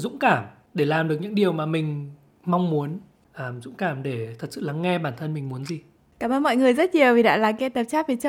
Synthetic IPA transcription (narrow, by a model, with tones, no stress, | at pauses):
zʊ̰˧˥ŋ͡mkaː˧˩m | ɗe˧˩laː˨˩mɗɨ˨˩ək̚ɲɨ̰˧˥ŋɗi˨˩əwmaː˨˩mï˨˩ŋ̟ | ma˧wŋ͡mmu˨˦ən | ʔəː˨˩mzʊ̰˧˥ŋ͡mkaː˧˩mɗe˧˩t̪ʰə˨˩t̚sɨ̰˧˨laː˨˦ŋːɛ˧ɓaː˧˩nt̪ʰə˧nmï˨˩ŋ̟mu˨˦ənzi˨˩ | kaː˧˩məː˧nmɔ̰˧˨jŋɨ˨˩əjzə˦˥t̚ɲi˨˩əwvi˨˩ɗa̰ː˧˥laː˨˩ka˧t̪ə˨˩p̚t͡ɕaː˦˥vi˨˩t͡ɕə˧˦